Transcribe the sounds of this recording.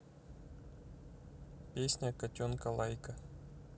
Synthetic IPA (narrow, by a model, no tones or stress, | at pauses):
pʲesʲnʲakɐtʲonkɐlˠɑjkə